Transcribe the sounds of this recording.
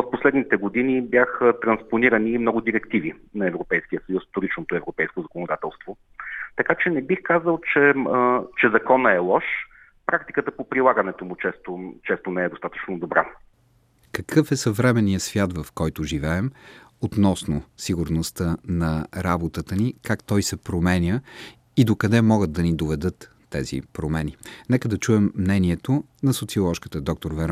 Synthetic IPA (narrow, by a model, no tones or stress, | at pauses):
osposlɛd̪nit̪ɛɡod̪inibjaxət̪ɾɐnsponiɾəniːmnɔɡʊd̪iɾɛkt̪ivinɐɛvɾopɛjskijəsɐjusft̪oɾit͡ʃnot̪oɛvɾopɛjskozɐkonod̪at̪ɛlˠst̪vo | t̪ɐkat͡ʃɛnɛbixkazəlˠt͡ʃɛt͡ʃɛzɐkɔnəɛlˠɔʃ | pɾak̚t̪ikət̪əpopɾilˠaɡənɛt̪omut͡ʃɛst̪ot͡ʃɛst̪onɛɛd̪ost̪at̪ə̥t͡ʃnod̪obɾa̰ | kɐkʰɤfɛsɐvɾɛmɛnːijəsvʲjat̪vɐfkɔjt̪ʊʒivɛɛmot̪nɔsnosiɡʊɾnost̪ənɐɾabot̪ət̪ənikakt̪ɔjsɛpɾomɛnʲə | id̪okɐd̪ɛmɔɡəd̪̚d̪ɐnid̪ovɛd̪ɤt̪ːɛzḭpɾomɛninɛkəd̪ɐt͡ʃuɛmːnɛniɛt̪onɐsot̪siolˠɔʃkə̥t̪əd̪ɔk̚t̪oɾvɛɾ